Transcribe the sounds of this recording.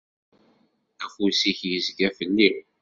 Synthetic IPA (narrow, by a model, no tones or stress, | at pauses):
æfusiçjəzɡæfəlːin